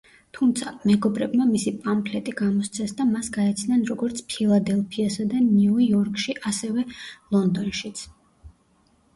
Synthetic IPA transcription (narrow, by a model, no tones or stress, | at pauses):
t̪ʰumt̪sʰamɛɡɔbɾɛbmamisipʼampʰlɛt̪ʼiɡamɔst̪sʰɛsd̪amasɡaɛt̪sʰnanɾɔɡɔɾt̪sʰpʰilˠad̪ɛlˠpʰiasad̪aniuɔɾkʼʃiʔasɛvɛlˠɔnd̪ɔnʃit̪sʰ